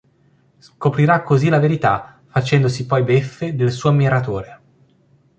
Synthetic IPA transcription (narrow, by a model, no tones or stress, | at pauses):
skopɾiɾakːozilaveɾit̪a | fat͡ʃɛnd̪osipɔjbefːed̪elsuːoamiɾat̪oːɾe